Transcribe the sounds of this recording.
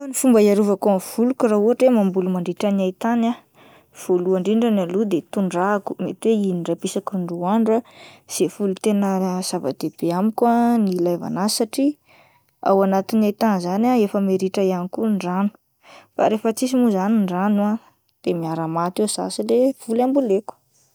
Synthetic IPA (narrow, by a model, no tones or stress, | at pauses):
nifumbajaɾuvakuav̥ulukurauɦaʈ͡ʂemambulumaɳɖ͡ʐiʈ͡ʂəniajt̪ana | v̥oluaɳɖ͡ʐiɳɖ͡ʐanalud̪et̪uɳɖ͡ʐaku̥met̪weiniɖ͡ʐapisakuɳɖ͡ʐuaɳɖ͡ʐuaz̥efulut̪enəz̥ava̰d̪̥eb̥eamikʲanilajva̰nasaʈ͡ʂi | a̰wanat̪inajt̪anzanaefəmeɾiʈ͡ʂəjanikuɳɖ͡ʐanu̥ | fa̰ɾefət͡sis̬imuzaniɳɖ͡ʐanua | d̪̥emiaɾamat̪esa̰silev̥ulambuleku̥